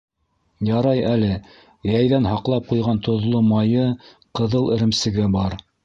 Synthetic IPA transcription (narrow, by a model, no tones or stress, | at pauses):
jɑɾɑjælɘ | jæjðænhɑqlˠɑp̚qujʁɑnt̪ŏðlˠomɑjɤ | qɤ̆ðɤlˠɘ̆ɾɘ̆msɘ̆ɡɘbɑɾ